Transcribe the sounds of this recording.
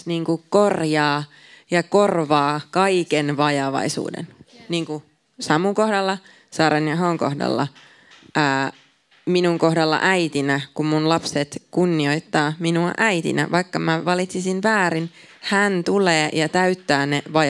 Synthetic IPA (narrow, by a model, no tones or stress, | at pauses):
niːŋkukorjɑː | jɑko̞rʋɑːkɑikenʋɑjɑʋɑ̰isṵːdḛnniːŋku | sɑmuŋko̞hdɑlːɑ | sɑːɾenjɑɦoŋko̰hdɑ̰lːɑ̰ | əː | minuŋko̞hdɑlːɑ̰ʔæjt̪inækummunlɑpset̪kunːio̞it̪ːɑːminuɑ̰ʔæit̪ḭnæ̰ʋɑikːɑmæʋɑlit̪sisinʋæːɾin | hænt̪uleːjɑt̪æyt̪ːæːneʋɑjɑ